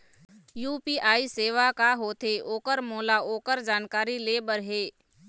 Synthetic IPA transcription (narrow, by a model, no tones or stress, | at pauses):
juːpiːʔaːiseːʋakaɦoːt̪ʰeʔoːkəɾmoːlaoːkəɾd͡ʒaːnkaːɾileːbəɾɦeː